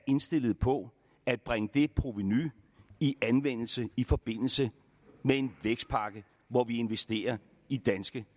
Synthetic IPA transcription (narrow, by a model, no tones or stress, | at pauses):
e̝nsd̥e̝l̰ð̩ˠpʰɒ̽ | æd̥̚b̥ʁaŋəd̥e̝pʰʁo̝ʋeny | iʔænʋen̰l̩səifɒ̽b̥e̝n̰l̩sə | mee̝nʋeɡ̥sd̥̚pʰɑ̈ɡ̥ə | ʋɒʋie̝nʋesd̥e̝̰ːɐ | id̥ænsɡ̥ə